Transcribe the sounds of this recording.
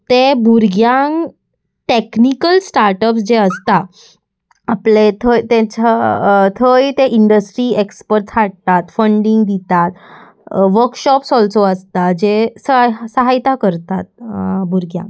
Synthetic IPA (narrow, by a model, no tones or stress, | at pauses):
t̪ebuɾɡjãŋ | ʈeknikəlsʈaɾʈəpsd͡ʑeəst̪a | aplet̪ʰət̪et͡ɕat̪ʰəjt̪eʔiɳɖəsʈɾiekspəɾʈsaɽ̚t̪at̪fəɳɖiŋɡd̪it̪at̪ | ʋəɾkɕɔpsɔlsoəst̪ad͡ʑesəsəɦajt̪akəɾt̪at̪̚buɾɡjã̰ŋ